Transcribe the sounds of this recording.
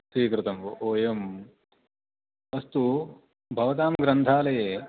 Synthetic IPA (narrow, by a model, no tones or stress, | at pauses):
sʋiːkɾɪt̪ɐmoːjɐm | ɐst̪u | bʱɐʋɐt̪̬aːmɡɾɐnt̪ʰaːlɐjeː